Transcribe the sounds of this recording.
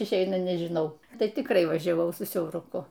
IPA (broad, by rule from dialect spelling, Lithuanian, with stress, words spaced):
ɪʃʲˈɛɪnɐ nʲɛʒʲɪˈnɐʊ ˈtɐɪ tʲɪkˈrɐɪ ʋɐʒʲɛˈʋɐʊ sʊ sʲɛʊrʊˈkʊ